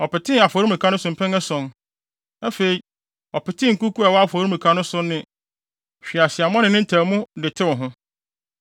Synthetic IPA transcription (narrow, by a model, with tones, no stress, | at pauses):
ɔ˨pɪ˨tʰɪ̃˦˨a˨fɔ˨˦ɾu˦mũ˨kʰã˨˦nʊ̃˦sʊ̃˨m˨pʰɛ̃˦ŋɛ˦sɔ̃˨n | ɛ˦fe˨i˨ | ɔ˨pɪ˨tʰɪ̃˦ŋ̩˨ku˦ku˦a˨wɔ˦a˦fɔ˨˦ɾũ˦mũ˨kʰa˦nʊ̃˦sʊ˦nːɪ̃˦ | ɕᶣi˨a˨sɪ˨a˨mɔ̃˦nɪ̃˨nɪ̃˦n̩˦tʰæ˨mʊ̃˦dɪ˨tʰɪ˦wʊ̃˨ɦʊ̃˦